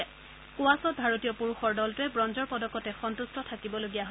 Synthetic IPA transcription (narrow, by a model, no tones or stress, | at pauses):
kuasɔt̚bʱaɹotijɔpuɹuxɔɹdɔltʊɛbɹɔnzɔɹpɔdɔkːɔtɛxɔntustɔtʰakibɔloɡijaɦo